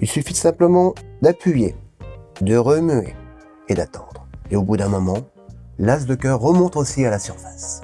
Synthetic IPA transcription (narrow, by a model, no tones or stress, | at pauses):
ilsyfisɛ̃pləmɑ̃d̪apɥyjḛ | d̪əʁəmyḛ | ed̪at̪ɑ̃d̪ʁeobud̪ɛ̃mɔmɑ̃ | lazd̪əkʲœʁːəmɔ̃t̪osialasyʁfḁs